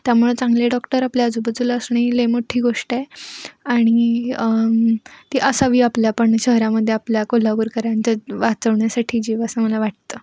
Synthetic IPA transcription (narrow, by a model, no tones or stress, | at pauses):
t̪jamuɭet͡sãŋɡleɖɔkʈəɾapljaəd͡zubəd̪ʱuləsɳilemoʈʰiːɡoʂʈeaɽ̃i | t̪iʔəsaʋiːapljapəɳɕəɦɾaməd̪ʱːjeapljakolabuɾkəɾaɲt͡ɕaʋat͡səʋɳjasaʈʰiːd͡ʑiʋəsəməlaʋaʈ̚t̪ə